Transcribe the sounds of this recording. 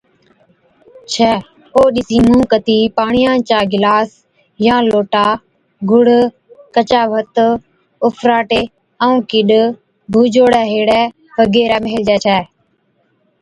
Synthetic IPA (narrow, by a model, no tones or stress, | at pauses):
t͡ʃʰɛː | oːɗɪsiːmũːkət̪iːpaːɳɪjãːt͡ʃaːɡɪlaːs | jãːloːʈaː | ɡʊɽ | kət͡ʃaːʋət̪ | ʊfʰɾaːʈeː | əũːkɪɗ | bʱuːd͡ʒoːɽɛːɦeːɽɛː | ʋəɡeːɾɛːmeːld͡ʒɛːt͡ʃʰɛː